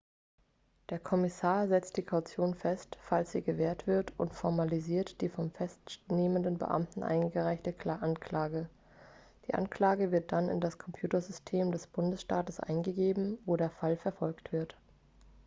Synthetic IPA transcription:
d̥eːɐkʰɔmɪsaːɐzɛt͡st̚d̥iːkʰaʊt͡sjoːnfɛstfalsz̥ḭːɡəveːɐtv̥ɪɐtʔʊntfɔɐmaliziːɐtd̥iːfɔmfɛstneːməndənbə̰ʔa̰mtn̩ʔa̰ɪnɡəʁaɪçtəkʰlaʔankʰl̥aːɡə | d̥iːʔa̰nkl̥aːɡəvɪɐt̚d̥anɪ̰ndaskʰɔmpʰj̥uːtɐzʏstʰeːmdɛsb̥ʊndəsʃtaːtəsʔa̰ɪnɡəɡeːbm̩voːdeːɐfalfɛɐfɔlktv̥ɪɐt

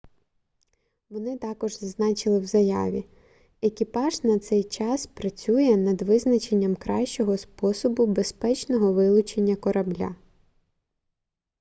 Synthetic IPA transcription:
ʋɔnɪt̪ɑkɔʒzɐznɑt͡ʃɪlˠɪwzɐjɑ̰ʋʲḭ | ekʲipɑʒnɐt̪sɛjt͡ʃɑspɾɐt͡sʲujɛnɐd̪ʋɪznɐt͡ʃe̞nʲːɐmkɾɑʃt͡ʃɔɦɔspɔsɔbʊbe̞spɛt͡ʃnɔɦɔʋɪlˠʊt͡ʃe̞nʲːɐkɔɾʔɐblʲa̰

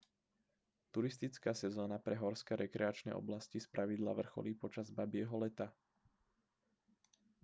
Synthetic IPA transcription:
t̪uɾist̪it͡skaːsɛzɔːnapɾɛɦɔɾskɛɾɛkɾɛat͡ʃnɛ̰ːʔɔ̰blascispɾʔaʋid̪la̰ʋr̩xɔ̰liːpɔt͡ʃazbabɪɛɦɔlɛt̪a

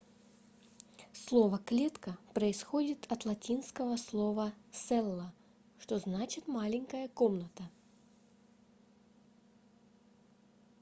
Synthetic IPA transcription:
slˠovəklʲet̪kəpɾəɪsxodʲɪt̪ʰɐt̪lˠɐtʲinskəvəslˠovəsɛlˠːə | ʂt̪oznat͡ɕɪt̪malʲɪŋʲkəjəkomnət̪ə

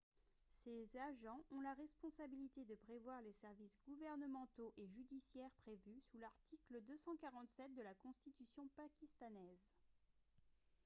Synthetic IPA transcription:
sezaʒɑ̃ʔɔ̃laʁɛspɔ̃sabilit̪ed̪əpχevwaʁlesɛʁvisɡuvɛʁnəmɑ̃t̪oʔeʒyd̪isjɛʁpχevysulaʁt̪ikləd̪øsɑ̃kaʁɑ̃t̪sɛt̪̚d̪əlakɔ̃st̪it̪ysjɔ̃pakʲist̪anɛz

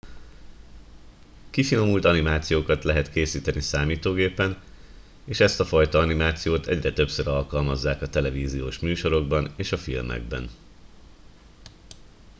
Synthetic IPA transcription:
kifino̞mult̪ɒnimaːt̪sijoːkɒt̪lɛɦɛt̪keːsiːt̪ɛnisaːmiːt̪oːɡeːpɛn | eːʃɛst̪ɒfɒjt̪ɒɒnimaːt̪sijoːt̪ɛ̰ɟrɛt̪ø̞psøɾɒlkɒlmɒzːaːkɒt̪ɛlɛviːzijoːʃmyːʃo̞ɾo̞ɡbɒneːʃɒfilmɛ̰ɡ̚bɛ̰n

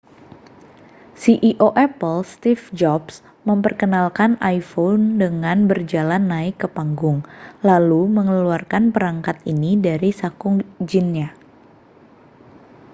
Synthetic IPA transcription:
siʔiʔoʔɛpəlst̪ifd͡ʒɔps | məmpərkənalkanʔajfondəŋanbərd͡ʒalanːaɪkːəpaŋɡʊŋlaluməŋəluarkanpəɾaŋkat̪̚inidaɾisakʊŋd͡ʒinɲa

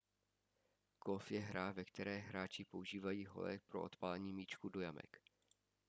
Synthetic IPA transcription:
kofjɛɦɾaːvɛkt̪ɛɾɛːɦɾaːt͡ʃɪpo̞uʒiːvajiːɦo̞̰lɛ̰k̚pɾo̞̰ʔo̰t̪palɛɲiːmiːt͡ʃkudo̞jamɛ̰k

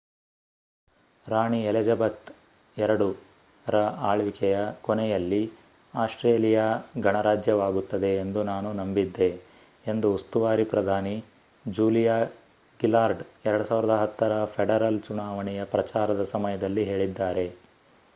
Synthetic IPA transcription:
ɾaːɳiɛlɛd͡ʒɐbɐt̪ | ɛɾɐɽu | ɾɐaːɭʋikɛjɐkɔnɛjɐlːi | aːsʈɾeːlijaɡʱɐɳɐɾaːd͡ʒjɐʋaːɡut̪ːɐd̪e̞ːnd̪unaːnunɐmbid̪ːe̞ | end̪uːst̪uʋaːɾipɾɐd̪ʱaːni | d͡ʒuːlijaː | ɡilaːɾɖɛɾɐɽusaːʋiɾɐd̪ɐɦɐt̪ːɐɾɐpʰeɽɐɾɐlt͡ʃunaːʋɐɳɛjɐpɾɐt͡ʃaːɾɐd̪ɐsɐmɐjɐd̪ɐlːiɦe̞ːɭid̪ːaːɾe̞

